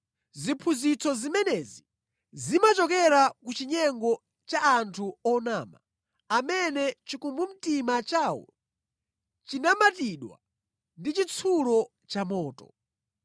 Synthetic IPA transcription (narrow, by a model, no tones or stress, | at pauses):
zipʰuzit͡sɔzimɛnɛzi | zimat͡ʃɔkɛɾakut͡ʃiɲɛŋɡɔ | t͡ʃaantʰuɔnaːma̰ | amɛnɛt͡ʃikumbum̩timat͡ʃaːwɔ̰ | t͡ʃinamatiɗwa̰ | ndit͡ʃit͡sʰulɔ | t͡ʃamɔːtɔ̰